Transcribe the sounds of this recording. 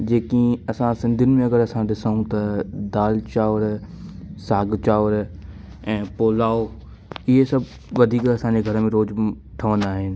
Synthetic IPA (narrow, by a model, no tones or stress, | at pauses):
d͡ʑeːkĩɐsãsɪ̃nd̪ʱʊnɪ̆mẽɐɡəɾɐsãɗɪsaũt̪ɐd̪aːlt͡ʃaːʋɾ | saːɡt͡ɕaːʋɾ | ɛ̃ːpoːlaːo | ɪɦesɐb | ʋɐd̪ʱiːkɐsãːɲd͡ʑeɡʱɐɾəmẽɾoːd͡ʒ | ʈʰəʋə̃nd̪aːɦɪnɪ̆